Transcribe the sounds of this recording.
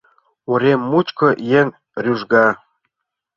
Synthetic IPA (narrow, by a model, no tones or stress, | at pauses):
uɾʲemːut͡ɕkŏjeŋ | rʲyʒɡɑ